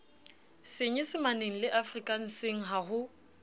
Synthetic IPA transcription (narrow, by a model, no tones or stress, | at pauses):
sɪɲɛsɪmaneŋ̩lɪʔafrikʼan̩sɪŋ̩ɦahʊ